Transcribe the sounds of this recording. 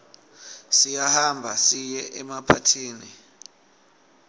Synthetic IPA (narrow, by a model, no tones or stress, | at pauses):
sijahambʱa̰sijɛʔɛmapʰatʰiːni